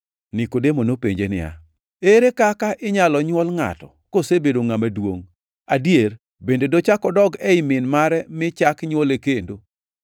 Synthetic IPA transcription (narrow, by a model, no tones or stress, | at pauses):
nɪkodemonopeɲd͡ʒenɪ̰ja̰ | eɾekakaʔɪɲalɔɲwɔlŋa̰tɔkosebedoŋamadwo̰ŋ | adjer | bendedot͡ʃakɔdɔɡɛɪmɪnmaɾɛmɪt͡ʃakɲwɔlekendo